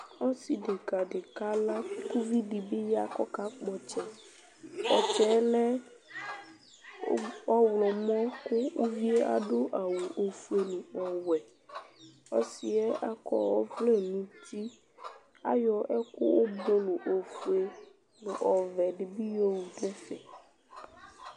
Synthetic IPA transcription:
ɔ̃˦si˨ɖe˨ɡa˨ɖe˨ka˦la˦ku˦vi˦ɖi˨be˦ja˦kɔ˦ka˦k͡pɔ˨t͡ʃɛ˦ | wɔ˨t͡ʃɛ˨˦lɛ˦ | ɔ˦wlɔ˨mɔ̃˦ko˦wo˦vi˦e˦ʔa̰˨ɖo˦ʔa˨wu˨ʔo˨fu˨e˨nũ˨wɔ˨wɛ˨ | ɔ˦si˨ɛ˦ʔa˨kɔ̰˦wɔ˦vle˦˨nũ˨t̪ʰi˦ | a̰˦jɔ˨ʔɛ˦kʊ̰˦wo˦do˦lo˨ʔo˨fu˨e˨ | lo˨ʔɔ˨vɛ˨ɖi˨bi˦jo˦wu˨ɖo˦fɛ̰˨

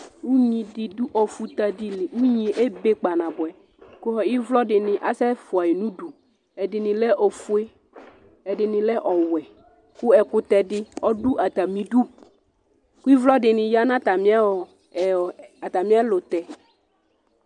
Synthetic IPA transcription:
wu˦ɲĩ˨dɪ˨du˦ʔɔ˨fu˨t̪a˨dɪ˨lɪ˨u˦ɲĩ˨ʔe˦be˦k͡pa˨nã˨bɔ˨ɛ˨ | kʊ˦ɔ˨i˦vlɔ˦dɪ˨nɪ̃˨ʔa˦sɛ˦fʊ˨a˨je˨nũ˦du˨ | ɛ˨dɪ˨nɪ̃˨lɛ˦ʔo˨fu˦e˦ | ɛ˨dɪ˨nɪ̃˨lɛ˦ʔɔ˨wɛ˨ | ku˦ɛ˨kʊ˦t̪ɛ˨dɪ˦ɔ˦du˦ʔa˨t̪a˨mĩ˨ɖu˦ | ku˦i˦vlɔ˦dɪ˨nɪ̃˨ja˦nã˦t̪a˨mĩ˦a˦wɔ˨ | a˨t̪a˨mĩ˦a˦lo˨t̪ɛ˨

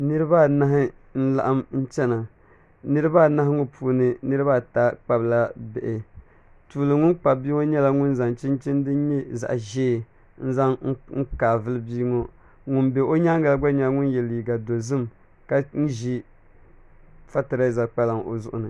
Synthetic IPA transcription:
nɨ˦ɾɨ˦ba˦˨na˦ɦɪ˦ | n̩˦la̰˨ʔa˦mn̩˦t͡ʃɛ˦na˨ | nɨ˦ɾɨ˦ba˦˨na˦hɪ˦ŋo˦pʰu˦nɨ˨nɨ˦ɾɨ˦ba˦˨ta˦k͡pa˨bla˦bɛ˨ʔɪ˨ | tu˨lɨ˨ŋʊ˦nk͡pa˨bbiː˦o˦ɲɛ˦la˦ŋʊ˦nza˨ŋt͡ʃi˦nt͡ʃi˦n˦dɨ˦ɲɛ˦za̰˨ʔʒeː˦˨ | n̩˦za˦ŋ˦ŋ̩˦kaː˨vɨ˦lɨ˦biː˦ŋo˦ | ŋʊ˦nbɛ˨ʔo˦ɲa˦ŋ˦ɡa˦lɡ͡ba˦ɲa˦lŋʊ˦njɛ˨li˨ɡa˨do˨zɨ˦m | ka˦n̩˦ʒi˦ | fa˦ta˨ɾa˦˨za˨k͡pa˦la˨ŋo̰˨zʊ˨ʔʊ˨nɨ˨

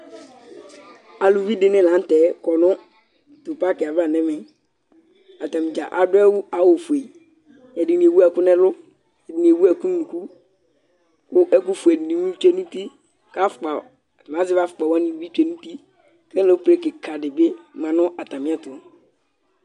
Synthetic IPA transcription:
a˨lu˨vi˦dɪ˦nɛ̃˦lã˨˦n̩˦tɛ˨˦kɔ˨nʊ̃˦ | tʊ˨pa˦kɪ˨a˨va˦˨nɛ̃˦mɛ̃˨ | a˨ta˨mɪ̃˨d͡ʒa̰˨ʔa̰˨dʊ˦ɛ˦wʊ˦a˨˦wo˨fu˨e˨ | ɛ˨di˨ni˨e˨wu˦ɛ˦˨kʊ˦nɛ̃˦lʊ˦ | ɛ˨di˨ni˨e˨wu˦ɛ˨ku˦nu˦nũ˨ku˦ | kʊ˦ʔɛ˦kʊ˦fu˨ɛ˨di˨i˨mũ˦t͡ʃɛ˦nũ˦ti˦ | ka˦fʊ̥˨k͡pa˨ | m˨ã˨˦zɪ˦va˦fʊ̥˨k͡pa˨wã˦nĩ˨˦vi˦t͡ʃɛ˨nũ˦ti˦ | kɛ̃˦lo˨˦pɾe˦kɪ˨kʰa˨dɪ˨bɪ˦mã˨nʊ̃˦ʔa˨ta˨mɪ̃˦a˦tʊ˨˦

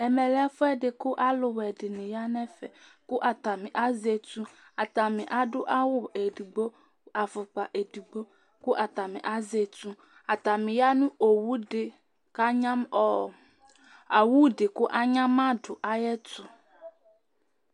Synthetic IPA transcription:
ɛ˨mɛ˨lɛ˦fʊ˦ɛ˦ɖɪ˨kʊ˦ʔa˦lʊ˨wɛ˨ɖɪ˨nẽ˨ja˦nɛ̃˦fɛ̰˨kʊ˦ʔa˨t̪a˨mĩ˨ʔa˦ze˨tũ˦ | a˨t̪a˨mɪ̃˨ʔa˨ɖʊ˦ʔa˦wʊ˨e˨du˨ɡ͡bo˦ | a˨fʊ˨k͡pa˨ʔe˨du˨ɡ͡bo˦ | kʊ˦ʔa˨t̪a˨mẽ˨ʔa˦ze˨tũ˦ | a˨t̪a˨mɪ̃˨ja˦nũ˦o˨wu˦dɪ˨ | ka˦ɲã˦mɔ˨ | a˨wu˦ɖɪ˨kʊ˦ʔa˦ɲã˦ma˦ɖʊ˨ʔa˦jɛ˦tʊ˨

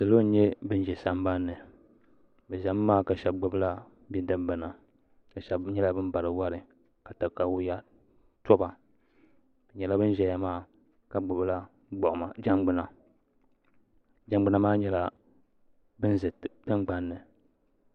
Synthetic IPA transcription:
sɨ˨lo˦n̩˦ɲɛ˦bɨ˦n˦ʒɛ˨sa˦m˦ba˦nːɨ˨ | bɛ˨ʒa˨˦mː˦aː˦ka˨ʃɛ˨b̚ɡ͡bʊ˨bɨ˦la˦ | bɛ˦dɨ˦ba˨na˨ | ka˨ʃa˨ɲɛ˦la˦bɨ˦m˦ba˨ɾɨ˨wa˦ɾɨ˨ | ka˨ta˨ka˨wʊ˦ja˦ | tɔ˦ba˨ | bɨ˨ɲɛ˨la˦bɨ˦n˦ʒɛ˨ja˨maː˦˨ | ka˨ɡ͡bʊ˨bla˦ | ɡ͡bʔma˨d͡ʒa˦mɡ͡bɨ˨na˨ | d͡ʒa˨ŋ͡mɡ͡bɨ˨na˨maː˦ɲɛ˦la˦ | bɨ˦nzɨ˨tɨ˦ŋɡ͡ba˦nːɨ˨

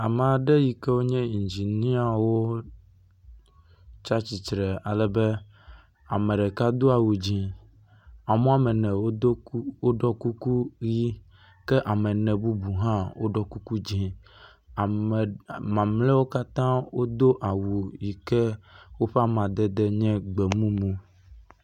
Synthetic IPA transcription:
a˨mɛ˨a˨ɖɛ˦ji˨kɛ˦wo˦ɲɛ̃˦i˨d͡ʒi˨nĩ˦a˦wo˦ | t͡ʃa˦t͡ɕi˨t͡ʃɾɛ˨a˨lɛ˦bɛ˦ | a̰˨mɛ̃˨ɖɛ˨ka˦d̪o˦a˨wu˨d͡ʑĩ˨ | a˨mɔ̃˦a˦˨mɛ˨nɛ̃˨wo˦wo˦ɖɔ˦ku˦ku˦ji˦ | kɛ˦ʔa˨mɛ˨nɛ̃˨bu˦bu˨ɦã˦wo˦ɖɔ˦ku˦ku˦d͡ʑĩ˦˨ | mã˨mlɛ˦wo˦ka˦t̪ã˦wo˦d̪o˦ʔa˨wu˨ji˨kɛ˦wo˦ɸa˦mã˨d̪ɛ˦d̪ɛ˦ɲɛ̃˦ɡ͡bɛ˨mũ˦mũ˦

